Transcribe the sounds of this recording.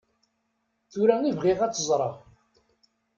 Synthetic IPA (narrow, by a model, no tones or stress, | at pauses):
θuɾænivʁiʁæt͡sːəzˤɾˤɑ